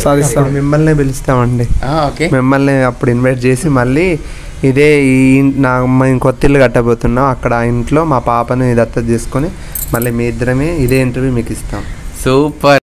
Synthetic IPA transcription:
saːd̪ist̪aːmimːɐlniːbelist̪aːmɐɳɖiaoːkemimːɐlniɐpːuɽinʋɐjʈ̚t͡ʃe̞ːsimɐɭːi | id̪eːnaːkot̪ːilːɐɡɐʈːɐboːt̪unːaːmɐkːɐɽɐiɳʈlo̞ːmaːpaːpɐnud̪ɐt̪ːɐt̪iːsu̥kuni | mɐlːiːmiːd̪ɾɐmeːid̪eːiɳʈɐɾjuːmiːkist̪aːmsuːpɐ

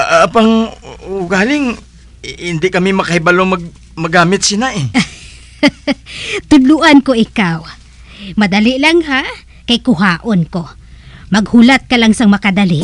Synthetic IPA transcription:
paŋʊɡaːlɪŋ | hɪnd̪ɪkɐmɪmɐkɐhɪbalomɐɡ̚ | mɐɡaːmɪt̪̚sɪnaʔɛ | t̪ʊd̪lʊʔankoʔɪkaw | mɐd̪ɐlɪʔlaŋɦa | kɐjkʊɦaːʔonko | mɐɡhʊlat̪̚kɐlaŋsɐŋmɐkɐd̪ɐliʔ

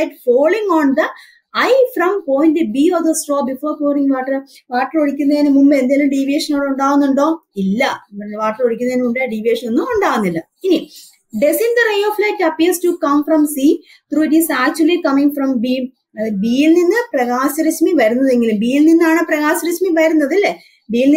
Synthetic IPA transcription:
ɐjʈfoːliŋoːnd̪ɐ | ɐjfrɐmpoːjnɨbiːofd̪ɐsʈroːbifoːɾkoːliŋʋaːʈːɐr | ʋaːʈːɐroɽikʲːunːɐðnɨmumbɐend̪elumɖiʋeːʂɐnoːɽuɳɖaːɣunːuɳɖo̞ːilːɐʋaːʈːɐroɽikʲːunːɐðnɨumɖeɖiʋeːʂɐnenːuuɳɖaːɣunːilːɐ | ini | ɖesind̪ɐrejoflɐjkːɐpilstukɐ̃mfrɐmsi | t̪ɾuːdisaːk̚t͡ɕuɐlikɐmĩŋfrɐ̃mbi | ɐbiːilninːɨprɐɣaːɕɐɾismiʋɐɾunːɐðe̞ŋɡilɨmbiːilninːaːɳɨprɐɣaːɕɐɾɐsmiʋɐɾunːɐðilːe | biːlni

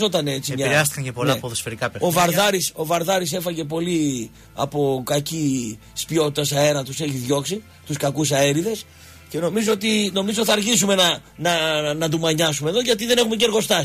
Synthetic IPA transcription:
o̞t̪ɐnet͡simɲɐɾeɐst̪i̥kɐɲcepolɐpoðosfeɾikɐpeɾovɐɾðɐɾiso̞vɐɾðɐɾise̞fɐʝe̞p̬o̞li | ɐ̰po̞kɐcispio̞t̪it̪ɐsɐe̞ɾɐt̪use̞çiðʝo̞ksi | t̪uskɐkus̬ɐe̞ɾiðe̞s | ce̞no̞mizo̞ot̪ino̞mizoθɐːɾʝisume̞nɐnɐnɐd̪umɐɲɐsume̞ðo̞ʝɐt̪iðe̞ne̞xumece̞ɾɣo̞st̪ɐ

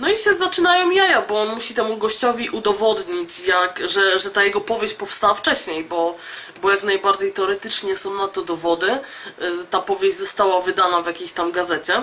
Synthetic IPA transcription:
nɔiɕɛzat͡ʂɘnajɔ̃wjajabɔɔnmuɕit̪ɛmuɡɔɕt͡ɕɔvʲiʔud̪ɔvɔd̪ɲit͡ɕjakʐɛʐɛt̪ajɛɡɔpɔvʲjeɕt͡ɕpɔfst̪awaft͡ʂɛɕɲejbɔ | bɔjaknajbaɾd͡ʑejt̪ɛɔɾɛt̪ɘt͡ʂɲɛsɔ̃w̃nat̪ːɔd̪ɔvɔd̪ɘ | t̪apɔvʲjeʑd͡ʑʲzɔst̪awavɘd̪anavʲjakʲeɕt̪amɡazɛt͡ɕɛ

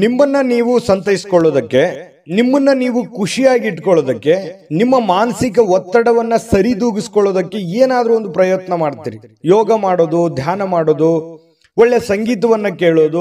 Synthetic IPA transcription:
nimːɐnːɐniːʋusɐnt̪ɐjiskɔɭːoːd̪ɐkːe̞ | nimːɐnːɐniːʋukuʂijaːɡiːʈːkɔɭoːd̪ɐkːe̞nimːɐmaːnɐsik̬ɐʋɔt̪ːɐɽɐʋɐnːɐsɐɾid̪uːɡiskɔɭːoːd̪ɐkːe̞eːnaːd̪ɐɾuond̪upɾɐjɛt̪nɐmaːɽt̪ḭːɾijɔːɡɐmaːɽoːd̪ud̪ʱjaːnɐmaːɽoːd̪u | ʋɔɭːesɐŋɡiːt̪̬ɐʋɐnːɐkeːɭoːd̪u

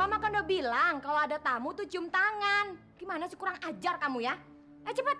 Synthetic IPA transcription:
mamakandobilaŋkaloadat̪amut̪ut͡ʃʊmt̪aŋan | ɡ̥imanasə̥kuɾaŋad͡ʒarkamuja | at͡ʃəpat̪̚

